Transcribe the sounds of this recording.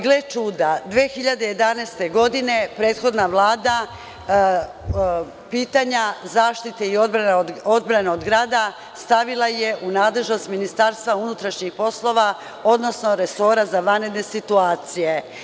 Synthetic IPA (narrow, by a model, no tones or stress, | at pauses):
ɡlet͡ʃuːd̪ad̪ʋeːxiʎad̪e̞je̞d̪aneːst̪e̞ɡo̞d̪ine̞pɾe̞ːt̪xo̞d̪naʋlˠaːd̪a | piːt̪aɲazaːʃt̪it̪e̞iod̪bɾanod̪bɾaneod̪ɡɾaːd̪a | st̪aʋilˠaje̞ʔunaːd̪le̞ʒno̞st̪minist̪aːɾst̪vʋaunut̪ɾaʃɲixpo̞slˠo̞ʋa | o̞d̪no̞sno̞ɾe̞so̞ɾazaʋanɾe̞d̪ne̞sit̪uaːt̪sije̞